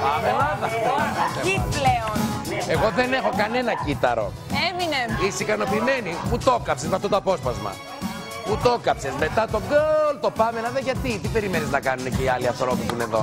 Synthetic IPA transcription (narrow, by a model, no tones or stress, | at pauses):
pɐmelɐðɐɐɐseileone̞ɣo̞ðe̞ne̞xo̞kɐne̞nɐcit̪ɐɾo̞̰ | emineiseikɐno̞piːme̞niput̪o̞kɐpsezmɐft̪ot̪oɐpo̞spɐzmɐ̰ | put̪o̞kɐpse̞zme̞t̪ɐt̪o̞ŋɡolt̪o̞pɐme̞lɐðɐʝɐt̪it̪ipe̞ɾimeniznɐkɐnuneceiɐliɐθɾopisuine̞ðo̞̰